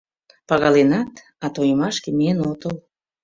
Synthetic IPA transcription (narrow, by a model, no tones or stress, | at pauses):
pɑɣɑlenɑt̪ | ɑt̪ojəmɑʃkemienot̪əl